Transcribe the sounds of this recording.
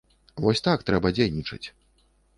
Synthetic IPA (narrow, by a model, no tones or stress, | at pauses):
vɔsʲt̪akt̪ɾɛbɐd͡zʲejnʲit͡ʂɐ̰t͡sʲ